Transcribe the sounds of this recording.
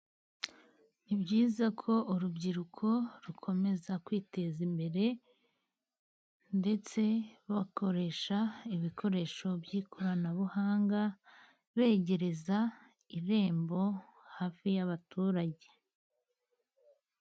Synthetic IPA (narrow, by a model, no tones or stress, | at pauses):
ibɟiːzakʰo̞uɾubɟiɾukʰo̞ɾukʰo̞me̞zakwiːte̞zimbe̞ɾe̞ | nde̞t͡se̞ɾβako̞ɾe̞ʃaiβikʰo̞ɾe̞ʃo̞bɟiːkʰoɾanaβuhaːŋɡa | βe̞ːɟe̞ɾe̞za | iɾe̞ːmbo̞haːfijaβatuːɾaɟe̞